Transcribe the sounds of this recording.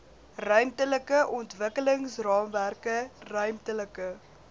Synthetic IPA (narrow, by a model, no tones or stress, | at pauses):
rœɥmtələkəʔɔntvəkələŋsrɑːmværkərœɥmtələkə